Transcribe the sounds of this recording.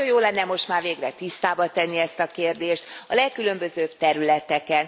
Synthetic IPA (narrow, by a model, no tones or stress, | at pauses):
ojoːlɛnːɛmo̞ʃt̪maːrveːɡrɛt̪ist̪aːbɒt̪ɛnːiɛst̪ɒkeːrd̪eːʃt̪ɒlɛkːylø̞mbø̞zøːbt̪ɛɾylɛt̪ɛkɛn